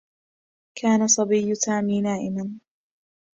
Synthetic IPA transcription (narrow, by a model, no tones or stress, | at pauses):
kʰaːnasˤɑbijːsaːmiːnaːʔɪman